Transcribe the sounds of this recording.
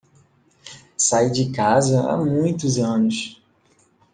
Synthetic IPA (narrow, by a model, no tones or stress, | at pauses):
sajd͡ʒɪkazɐa̰mũj̃t̪ʊzɐ̃nʊs